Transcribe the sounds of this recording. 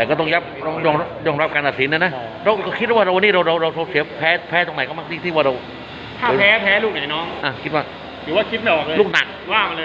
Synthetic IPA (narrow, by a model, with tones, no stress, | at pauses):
ɛː˨˩kɔː˥˩t̪ɔ˧˥˩ŋja˦˥p̚ɾa˧jɔː˧ŋa˥jɔː˧ŋɾa˦˥p̚kaː˧nta˨˩si˨˩˦naː˧˥na˦˥ɾa˧wkɔ˧˩k̪̚ʰɾa˧˥waː˧a˧wa˧niː˧˥˩ɾa˧wɾa˧wɾa˧wɾa˧wsi˨˩˦pʰɛː˦˥pʰɛː˦˥t̪o˧ŋna˨˩jkɔ˥˩ma˧˥˩t̪ʰiː˧˥˩t̪ʰiː˦˥˩waː˧˩ɾa˧w | t̪ʰaː˥˧˩pʰɛː˦˥pʰɛː˦˥luː˥˩k̚na˨˩˦jnɔː˦˥ŋʔaː˨˩kʰi˦˥t̪̚waː˧˩ | t̪ʰi˩˦waː˥˩kʰi˦˥t̪̚naː˧˩waː˨˩klɤː˧lu˥˩k̚na˨˩k̚waː˥˩m˧ləː˧